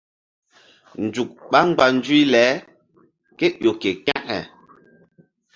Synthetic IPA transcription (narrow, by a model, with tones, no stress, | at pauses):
n̩˨d͡ʒu˨k̚ɓa˦ŋ͡mɡ͡ba˨n˦d͡ʒwi˦lɛː˨˦ | kɛ˦ʔjo˨ke˨ka˦ʔhɛ̰˨